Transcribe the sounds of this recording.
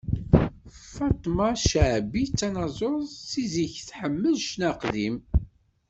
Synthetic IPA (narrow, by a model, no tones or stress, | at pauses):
fɑt̪ˤːmɑʃəʕbit͡sːænɑzˤoðˤsiziçθħəmːəðʃnæqðim